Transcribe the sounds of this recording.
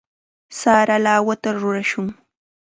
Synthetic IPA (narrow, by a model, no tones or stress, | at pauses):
saːɾalaːwat̪aɾʊɾaʃʊŋ